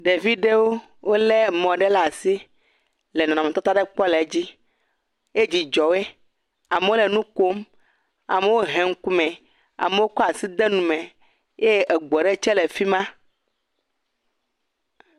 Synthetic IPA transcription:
ɖe˨vi˦ɖe˦wo˦ | wo˦le˦mɔ̃˨ɖe˦la˨si˦ | le˨nɔ̃˨nã˨me˨t̪ɔ˦t̪a˦ɖe˦k͡pɔ˦lɛ˨˦d͡ʑi˦ | e˦d͡ʑi˨d͡ʒɔ˨we˦ | a˨me˨wo˦le˨nũ˦ko˦m | a̰˨me˨wo˦ɦɛ̃˨ŋ̩˦ku˦mɛ̃˨ | a̰˨me˨wo˦kɔ˦a˨si˦d̪e˦nũ˨mɛ̃˨ | je˦ʔe˨ɡ͡bɔ˨ɖe˦t͡ʃɛ˦le˨fi˦mã˦

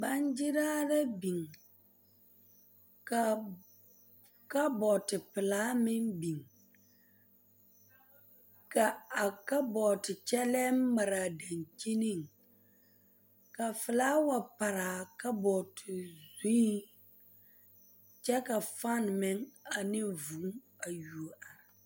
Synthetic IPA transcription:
ba˦nd͡ʒɪ˦ɾaː˦la˦bi˨ŋ | ka˨ | ka˦bɔ˨tɪ˨pɪ˨laː˦mɪ˦ŋbi˨ŋ | ka˨a˨ka˦bɔ˨tɪ˨t͡ʃɛ˦lɛ˦ma˨ɾa˨da˨nt͡ʃi˦ni˦˨ŋ | ka˨fɪ˨laː˦wa˨pa˨ɾa˨ka˦bɔ˨tʰɪ˨zĩ˦i˦ | t͡ʃɛ˦ka˨fa˦˨nmɪ˦ŋa˨nɪ˦vu˨˦ŋ | a˨ju˨o˨ʔa˨ɾa˨

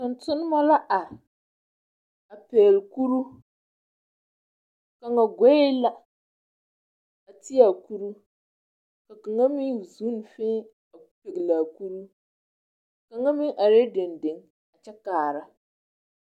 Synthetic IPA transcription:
tʊ˨ntʊ˦nɨ˦ma˦la˦ʔa˨ | a˨peː˨lku˦ɾu˦ | ka˨ŋa˨ɡʷɛ˦ɪ˦la˦ | a˨ti˦a˨ku˦ɾu˦ | ka˨ka˨ŋa˦mi˦˨zu˦n˨fɪ˦ | a˨pe˨ɡlaː˨ku˦ɾu˦ | ka˨ŋa˦mɪ˦ʔa˨ɾe˦dɪ˨ndɪ˨ŋ | a˨t͡ʃɛ˦kaː˨ɾa˨˦

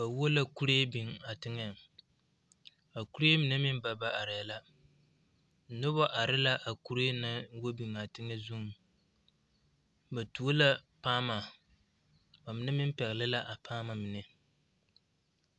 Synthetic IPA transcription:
ba˨wo˦la˦ku˦ɾe˦bi˨ŋa˨tɪ˦ŋɛ˨ | a˨ku˦ɾe˦mɪ˨nɨ˦mɪ˦m˦ba˨ba˦a˨ɾɪ˨ja˨la˦˨˦ | no˦bo˦ʔa˨ɾɪ˦la˦ʔa˨ku˦ɾe˦na˦wo˦bi˨ŋa˨tɪ˦ŋɛ˦zu˦ŋ˨ | ba˨tu˨˦o˦la˦paː˦ma˨ | ba˨mɪ˦nɛ˦mɪ˦m˦pɛ˨ɣlɪ˦la˦ʔa˨pʰaː˦ma˨mɪ˨nɛ˨

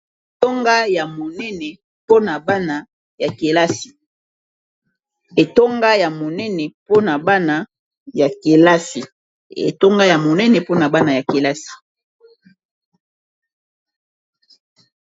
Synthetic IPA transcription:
e˨to˦ŋɡa˦ja˨mo˨nɛ˦nɛ˨ | po˦na˨ba˦na˨ | ja˨ke˨la˦si̥˨ | e˨to˦ŋɡa˦ja˨mo˨nɛ˦nɛ˨po˦na˨ba˦na˨ | ja˨ke˨la˦si˨ | ḛ˨to˦ŋɡa˦ja˨mo˨nɛ˦nɛ˨po˦na˨ba˦na˨ja˨ke˨la˦si̥˨

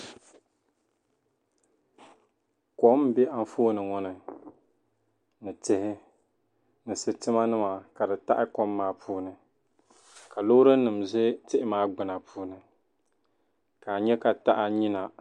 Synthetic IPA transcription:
kɔ˦m˦bɛ˦a˦n˦foː˦nɨ˨ŋɔ˦nɨ˨ | nɨ˨tɪ˦hɪ˦ | nɨ˨sɨ˨tɨ˦ma˦nɨ˦ma˨ka˨dɨ˨ta̰˦ʔɪ˦kɔ˦mːaː˦pʰuː˦nɨ˨ | ka˨loː˦ɾɨ˦nɨ˨mzɨ˦tɪ˦ʔɪ˦maː˦ɡ͡bɨ˨na˨pʰuː˦nɨ˨ | ka˨ɲɛ˦ka˨ta˦ʔɪ˦ɲi˦na˨

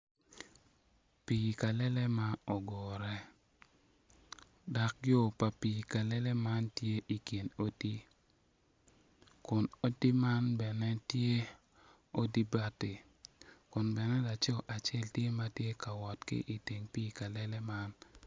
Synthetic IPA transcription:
pi˨ka˨lɛ˦lɛ˦ma˦ɔ˨ɡɔ˨ɾɛ˦ | da˨k̚jo˦˨pa˨pi˨ka˨lɛ˦lɛ˦ma˦ntje˦ʔi˨ki˨no˦ti˦ | kʊ˨no˦ti˦ma˦nbɛ˨nɛ˦tje˦ | o˦di˦ba˦tɪ˨ | kʊ˨nbɛ˨nɛ˦la˨t͡ʃɔ˦ʔa˨t͡ʃɛ˦˨ltje˦ma˦tje˦ka˨wɔ˨tkɪ̰˦ʔi˨ti˨ŋpi˦ka˨lɛ˦lɛ˦ma˦n

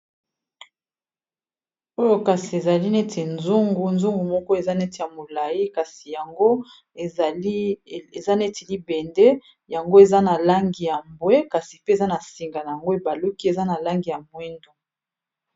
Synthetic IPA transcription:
o˦jo˨ka˨si˨e˨za˨li˦ne˦tʰe˨nzu˦ŋɡu˨nzu˦ŋɡu˨mɔ˦kɔ˦e˨za˦ne˦te˨ja˨mo˨la˨ji˦ka˨si˨ja˨ŋɡo˦˨˦ | e˨za˦ne˦ti˨li˦bɛ˨nde˦ | ja˨ŋɡo˦e˨za˦na˨la˦ŋɡi˨ja˨mbwe˦ka˨si˨pe˦˨za˦na˨si˨ŋɡa˨na˨ja˨ŋɡo˦e˨ba˨lu˦ki˦e˨za˦na˨la˦ŋɡi˨ja˨mwe˦ndo˦

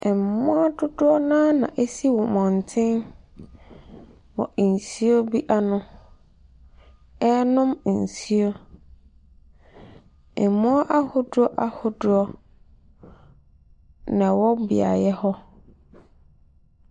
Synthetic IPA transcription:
ɛ˨m˨mːʊ̃˦a˦dʊ˦dʊ˦ɔ˦nã˦nã̰˨ʔe˦si˦wɔ˨mɔ̃˨n˨tʰɪ̃˦n | wɔ̰˨n̩˨si˦o˦bi˦ʔa˦nʊ̃˨˦ | ɛ˦nʊ̃˦m̩˨si˦o˦ | ɛ˨mːʊ̃˦a˦ʔa˦hʊ˦dʊ˦ɔ˦ʔa˦hʊ˦dʊ˦ɔ˦ | nã˨wɔ˦bɪ̰˨a̰˨jɛ˦hɔ˦

